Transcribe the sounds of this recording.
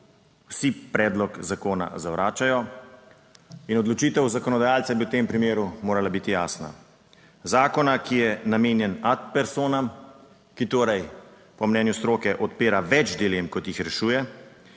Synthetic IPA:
wsipɾɛːd̪lɔkzakoːna̰zawɾʔaːt͡ʃajɔ | inɔd̪lɔt͡ʃiːt̪ɛwzakɔnɔd̪ajaːlt̪sɛbiwt̪eːmpɾimeːɾumoːɾalabit̪ijaːsna̰ | zaːkɔnakijɛnameːnjɛnat̪̚pɛɾsoːnam | kit̪oːɾɛj | pɔmnɛːnjust̪ɾoːkɛʔɔt̪peːɾaʋɛt͡ʃd̪ilemkɔt̪jixɾɛʃuːjɛ

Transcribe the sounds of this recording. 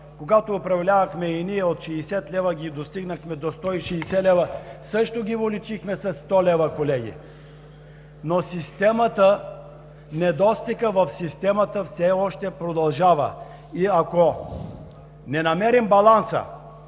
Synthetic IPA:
koɡat̪oːpɾɐvlʲavɐxmɛiniɛot̪ʃɛːsɛt̪lʲɛvəɡʲid̪ost̪iɡnəxmɛd̪ost̪ɔiʃɛːsɛlɛvəsɤʃt̪oɡʲivolit͡ʃixmɛsɐst̪ɔlɛvəkolɛɡḭ | nosist̪ɛmət̪ə | nɛd̪ɔst̪ikəvɐfsist̪ɛmət̪əfsɛɔʃt̪ɛpɾod̪ɐlˠʒavə̰ | iako | nɛnɐmɛɾimbɐlˠansə̰

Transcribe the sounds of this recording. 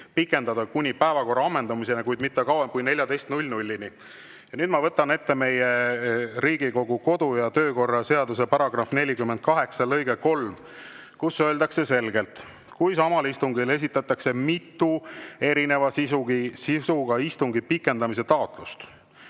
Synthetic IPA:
pikːˑe̞nd̪ɑd̪ɑkunʲipæevɑko̞rːɑɑmːe̞nd̪ɑmise̞nekujd̪mit̪ːekɑwemkujne̞lʲjɑd̪e̞jst̪nulʲnulʲːini | jɑnyːd̪̥mɑvɤt̪ːˑɑne̞t̪ːe̞me̞jeɾiːɡ̥iko̞ɡ̥uko̞d̪ujɑt̪ø̞ːko̞rːɑse̞ɑd̪us̬epɑɾɑɡ̥rɑfne̞lʲikymːend̪̚kɑɦe̞ksɑlɤjɡeko̞lm | kusːøːld̪ɑkse̞se̞lɡe̞lt̪ | kujsɑmɑlist̪uŋɡile̞s̬ʲit̪ːˑɑt̪ːˑɑkse̞mit̪ːˑue̞ɾine̞vɑsisuɡisisuɡ̥ɑist̪uŋɡipikːe̞nd̪ɑmise̞t̪ɑot̪ˑlust̪

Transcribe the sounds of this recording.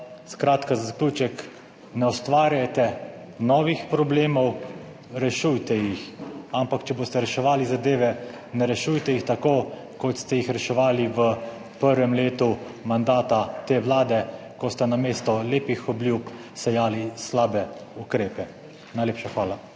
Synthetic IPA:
skɾaːt̪kazazaklʲuːt͡ʃɛk | nɛɔst̪ʋaːɾjajt̪ɛ | nɔːʋixpɾɔbleːmɔw | ɾɛʃujt̪ɛjixampakt͡ʃɛboːst̪ɛɾɛʃɛʋaːlizad̪eːʋɛ | nɛɾɛʃujt̪ɛjixt̪akoː | kɔt̪st̪ɛjixɾɛʃɛʋaːliʋə | pəɾʋɛmleːt̪u | mand̪aːt̪at̪eːʋlaːd̪ɛkɔst̪ɛnameːst̪ɔleːpixɔbljupsɛjaːlislaːbɛukɾeːpɛ | najleːpʃaxʋaːla

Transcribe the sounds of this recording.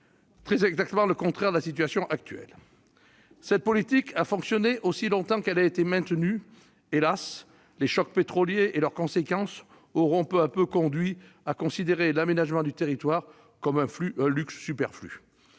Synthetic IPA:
t̪χɛzɛɡzak̚t̪əmɑ̃ləkɔ̃t̪χɛʁd̪əlasit̪ɥasjɔ̃ʔak̚t̪ɥɛ̰l | sɛt̪̚pɔlit̪ikʰafɔ̃ksjɔneʔosilɔ̃t̪ɑ̃kɛlaet̪emɛ̃t̪ny | elas | leʃɔk̚pet̪χɔljeʔelœʁkɔ̃sekɑ̃s | ɔʁɔ̃pøapøkɔ̃d̪ɥi | akɔ̃sid̪eʁelamenaʒmɑ̃d̪yt̪eʁit̪waʁ | kɔmɛ̃fyɛ̃lyksːypɛʁfly̰

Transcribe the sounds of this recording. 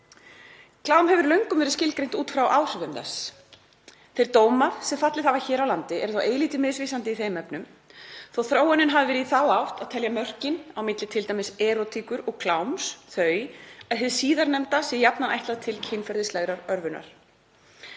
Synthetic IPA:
kʰlaːwmɦɛvʏɾlœɥŋkʏmvɛɾɪscɪlkɾejn̥t̪uːt̪fɾawʔaːwr̥ʏðʏmθɛ̰s | θejɾ̥t̪oːwmaðsɛmfat̪lɪðhavaçɛːɾawlant̪ɪɛ̰ɾ̥θowʔeːjliːt̪ɪmɪðsviːsant̪ɪiθejmɛpnʏm | θowθɾoːwɛnʏnɦavɪvɛːɾɪiiθawawht̪aðt̪ʰɛljamœr̥cɪnawmɪt̪lɪt̪ʰɪlt̪aːjmɪsɛːɾɔt̪ʰiːkʏɾɔɣkʰlawmsθœɥaðɦɛðɪsiːðaɾnɛmt̪asɛjapnana̰jht̪laðt̪ʰɪlcʰɪnfɛɾðɪslaɣɾaɾœɾvʏna̰ɾ̥

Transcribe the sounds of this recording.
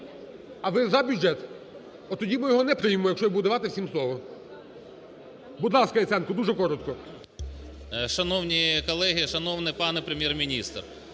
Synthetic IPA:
ɐʋɪzɐbʲudʒɛt̪ | ɔt̪ɔdʲimɪjɔɦɔnɛpɾɪjmemɔjɐkʃt͡ʃɔjbud̪ɐʋɑt̪ɪwsʲimslˠɔʋɔ | bud̪lˠɑskɐɛt̪sɛnkɔd̪uʒɛkɔɾɔt̪kɔ | ʃɐnɔwnʲikɔlˠɛɦʲiʃɐnɔwnɪpɑnɛpɾemʲjɛrmʲinʲist̪r

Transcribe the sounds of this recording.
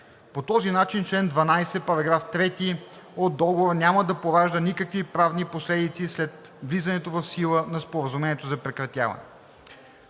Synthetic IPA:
pot̪ɔzinat͡ʃint͡ʃlɛnd̪vɐnajsɛpɐɾɐɡɾaft̪ɾɛt̪i | od̪̚dːɔɡoɾnʲamɐd̪ɐpoɾaʒd̪ənikəkvipɾavniposlɛd̪it̪sislɛt̪ | vlizɐnɛt̪ovɐfsilˠənɐspoɾəzumɛniɛt̪ozɐpɾɛkɾɐt̪ʲja̰vɐ̰nɛ̰

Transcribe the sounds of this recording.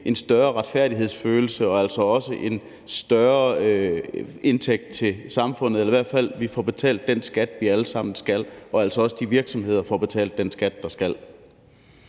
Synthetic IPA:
ʔe̝nsd̥ɶɐʁɑ̈d̥fæɐ̰ɾ̥iɦe̝ð̞̰ˠsføːl̩səɒ̽æl̰sɒ̽ɒ̽səʔe̝n | sd̥ɶɐ | e̝nt͡sʰeɡ̥̚d̥̚t͡sʰe̝lsɑ̈mfɔ̽n̰ð̩ˠelɐiʋæɐ̰d̥fæl̰ʋifɒb̥e̝t͡sʰɛ̰ːld̥ːensɡ̥æd̥ʋiæləsɑ̈m̰n̩sɡ̥ælɒ̽æl̰sɒ̽ɒ̽səd̥iʋiɐɡ̥sɒ̽mhe̝ð̞̰ˠɐfɒb̥e̝t͡sʰɛ̰ːld̥ːensɡ̥æd̥ːɑ̈sɡ̥æl̰

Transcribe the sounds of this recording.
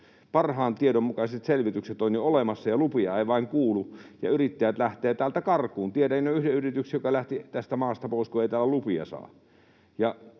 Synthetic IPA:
pɑrhɑːnt̪iedommukɑˑisʲet̪selʋit̪ykset̪onʲjiolemɑsːɑjɑlupiɑeˑiʋɑˑiŋkuːlujɑ̰yrit̪ːæjæt̪læht̪ˑeːt̪æːlt̪ækɑrkˑuːnt̪iedæinoʔyhdeyrit̪yksjjokɑlæht̪it̪æst̪æmɑːst̪ɑpoˑiskueˑit̪æːlːˑælupiɑ̰sɑ̰ː | jɑ

